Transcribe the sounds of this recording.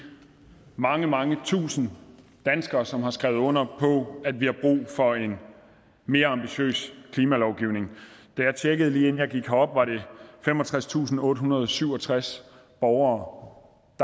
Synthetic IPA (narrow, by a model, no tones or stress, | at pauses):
mɑ̈ŋəmɑ̈ŋət͡sʰṵːsn̩d̥ænsɡ̥ɐːsɒ̽mhɑ̈sɡ̥ʁɛʊðˠɔ̽n̰ɐpʰɒ̽æd̥ʋihɑ̈b̥ʁṵːfɒ̽e̝n | me̝ːɐɑ̈mb̥iɕø̰ːskʰliːmælɒʊɡ̥iʊne̝ŋd̥æjɑ̈ɪt͡sʰeɡ̥əð̞̩ˠliːenjɑ̈ɪɡ̥iɡ̥hɑɒ̽b̥ʋɑ̈ɾe̝femɒ̽t͡sʰʁast͡sʰṵːsn̩ɔ̽ːɾəɦunɐð̞ˠsyʊ̰ɒ̽t͡sʰʁas | b̥ɒʊɐː | d̥